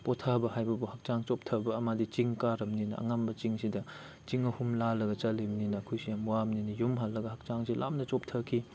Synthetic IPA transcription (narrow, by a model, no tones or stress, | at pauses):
pɔtʰabɐhajbɐbuhak̚t͡ʃaŋt͡ʃop̚tʰɐbɐːmadit͡ʃiŋkaɾɐmninɐ̰ɐ̰ŋambɐt͡ʃiŋsidɐ | t͡ʃiŋɐhumlalɐɡɐt͡ʃɐlimninɐːkʰujsijamwamninijumɦalːɐɡɐhak̚t͡ʃaŋsilʔa̰mnɐt͡ʃop̚tʰɐkʰi